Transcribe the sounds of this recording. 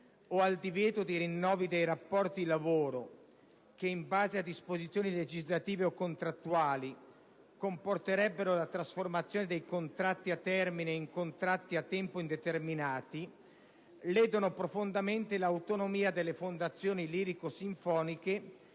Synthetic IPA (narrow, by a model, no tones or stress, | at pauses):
oald̪ivjɛːt̪od̪iɾinːɔːvid̪ejɾapːɔrt̪idlavoːɾo | keiɱbaːzead̪ispozit̪sːjoːniled͡ʒizlat̪iːveokːont̪ɾat̪ːuaːli | komport̪eɾɛbːeɾolat̪ɾasformat̪sːjoːned̪ejkont̪ɾat̪ːiat̪ːɛrmineiŋkont̪ɾat̪ːiat̪ːɛmpoind̪et̪erminaːt̪i | lɛːd̪onopɾofond̪ament̪elawt̪onomiːad̪elːefond̪at̪sːjoːniliːɾikosiɱfɔːnike